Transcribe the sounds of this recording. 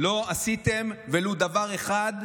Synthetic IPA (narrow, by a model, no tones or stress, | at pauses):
lo̞asit̪emvelud̪avaʁe̞χad̪